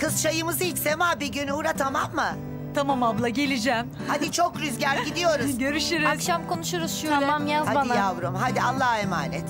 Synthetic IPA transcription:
kʰɯst͡ʃʰajɯmɯzit͡ʃsemaːbiɟynuɾat̪ʰamamːɯ | t̪ʰamamablˠaɟe̞lʲid͡ʒɛm | had̪it͡ʃʰo̞kɾyzɟæɾɟid̪ijo̞ɾuzɟø̞ɾyʃyɾizkʃamko̞nuʃuɾuz̥ʃuamamjazaaajavɾumhad̪ialˠːahemaːnɛt̪

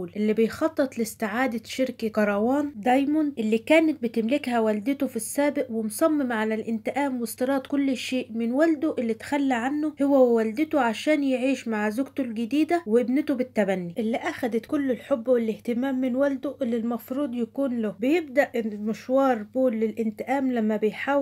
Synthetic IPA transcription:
uːlʔɪlːibɪjxɑt̪ˤːɨt̪ˤlɪst̪ɪʕaːd̪aʃɪɾkakɑɾˤɑwɑːnd̪ɑjmʊnd̪ʔɪlːiːkæːnɪt̪̚bɪt̪ɪmlɪkhæwæld̪ɪt̪ʊfisːæːbɪʔwɪmsˤɑmːemʕalælʔɪnt̪ɪʔæːmwest̪ɨɾˤɑːt̪ˤkʊlːɪʃeːʔmɪnwæld̪ʊʔɪlːit̪xælːiʕanːʊhowːæwæld̪ɪt̪oʕaʃæːnjeʕiːʃmaʕzʊɡt̪olɡɪd̪iːd̪æweʔɪbnɪt̪obɪt̪ːæbænːiʔɪlːiʔæxæd̪ɪt̪kʊlːɪlħobːwelɪht̪ɪmæːmːɪnwæld̪ʊʔɪlːilmɑfɾuːd̪ˤjækuːnlʊbɪjɪb̚d̪æʔmɪʃwɑːɾˤbuːlːɪlʔɪnt̪ɪʔæːmlæmːæbɪjħaːw

